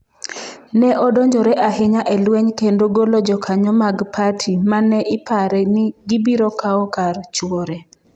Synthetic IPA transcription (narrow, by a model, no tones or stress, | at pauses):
nɛʔɔdoɲd͡ʒɔɾɛʔaɦɪɲaʔɛlwɛɲkendoɡolɔd͡ʒɔkʰaɲɔmaɡpʰatʰimanɛʔɪpaɾɛnɪɡibiɾokaɔkart͡ʃwɔɾɛ